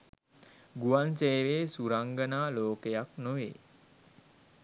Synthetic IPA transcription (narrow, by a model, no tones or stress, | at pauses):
ɡuʋanseːʋeːsuɾaŋɡənaːloːkejaknoʋeː